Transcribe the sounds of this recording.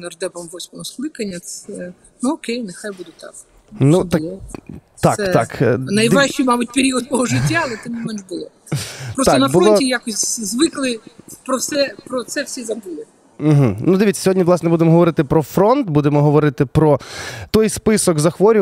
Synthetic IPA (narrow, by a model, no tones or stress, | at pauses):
nɐrd̪ɛpɔmʋɔsʲmɔɦɔsklˠɪkɐnʲːɐsɛ | nuɔkɛjnexajbud̪ʊt̪ɑ̰k | nut̪alˠɔt̪ɑ̰sɛɑ̰k̪nɐjʋ̪ɛʃt͡ʃijmɑbut̚ʲpeɾʲiɔd̪̚t̪ɔɦɔʒɪtʲːaɐlˠɛt̪ɪmmːɔmɛnʒbʊlˠɔ | pɾɔsaɛnɐbfulɔɔtʲijakɔsʲzʋɪklˠɪpɾɔwsɛpɾɔt̪sɛwsʲizɐbulˠɪ | m̩ɦ̩nud̪ɪʋʲitt͡sʲɐ̥sʲɔɦɔdʲnʲiʋlˠɑsnɛbud̪emɔɦɔʋɔɾɪt̪ɪpɾɔfɾɔnt̪bud̪emɔɦɔʋɔɾɪt̪ɪpɾɔt̪ɔjspɪsɔkzɐxʋɔɾʲʊ